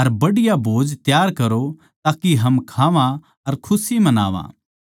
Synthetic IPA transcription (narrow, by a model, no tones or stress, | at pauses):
ɐɾbɐɽɪjabʱoːd͡ʒt̪jaːɾkɐɾo | t̪aːkiɦɐmkʰaːʋã | ɐɾkʰʊsimɐna̰ːʋã̰ː